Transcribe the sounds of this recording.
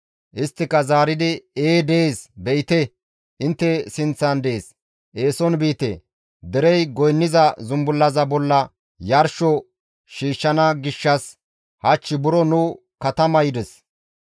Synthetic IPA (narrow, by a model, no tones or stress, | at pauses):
ʔɪst̪ːɪkɐzaːɾɪd̪ɪeːd̪ɛeːsbɛjɪt̪ɛ | ʔɪnt̪ːɛsɪnt͡sːɐnd̪eeːs | ʔe̞ːsɔnbiːt̪ḛ | d̪ɛɾɛjɡɔjnːɪzɐzʊmbʊlːɐzɐbɔlːɐ | jɐɾʃɔ | ʃiːʃːɐnɐɡɪʃːɐs | hɐt͡ʃːɪbʊɾɔnʊ | kɐt̪ɐmɐjɪd̪ɛs